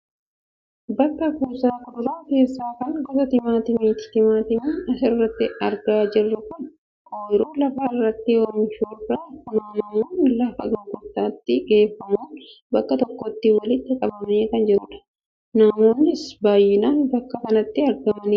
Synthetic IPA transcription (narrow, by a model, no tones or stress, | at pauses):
bɐkːɐkuːsaːkʊd̪ʊɾaːke̞ːsːaːkɐnɡɔt̪ɐt̪ɪmaːt̪ɪmiːt̪ɪ̥t̪ɪmaːt̪ɪmiːɐsɪrːɐt̪ːɪɐɾɡaːd͡ʒɪrːɐkʊn | oːjɪɾoːlɐfaɪrːɐt̪ːɪoɾnʃuːrɐkʊnɐmɐmuːnlɐfɐ̰ɡɐŋkʊt̪ːaːt̪ːɪkeːfːɐmuːnbɐkːɐt̪ɔkːoːt̪ːɪwɐlɪt̪ːɪkʼɐbɐmneːkɐnd͡ʒɪɾʊᶑɐ̥ | nɐmo̞ːnːɪsbaːjːɪnaːnbɐkːɐsɐnɐt̪ːɪɐɾɡɐmɐniː